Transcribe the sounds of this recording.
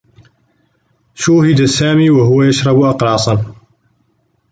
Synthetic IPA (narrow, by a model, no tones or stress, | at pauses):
ʃuːhɪd̪asaːmiːwaɦʊwːajaʃɾˤɑbʊʔɑqɾˤɑːsˤɑn